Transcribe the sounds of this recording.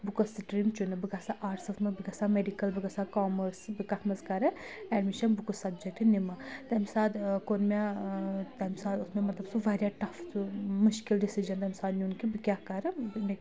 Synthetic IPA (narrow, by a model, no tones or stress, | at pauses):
bukosiʈɾimt͡ʃunɨbɨɡɐsaʔaːʈsɐfmɐbɨɡɐsameɖikɐlbɨɡɐsakaːmɐɾsbikɐt̪ʰmɐskɐɾɐɛɖmiʃɐnbukosɐbd͡ʒek̚ʈinimɐt̪ɐmsaːd̪konmat̪ɐmsaːd̪ʊsmẽmɐt̪lɐbsuʋɐɾjaʈɐfmuʃkilɖisid͡ʒɐnd̪ɐmsaːd̪niunkibikʲjaːkɐɾɨme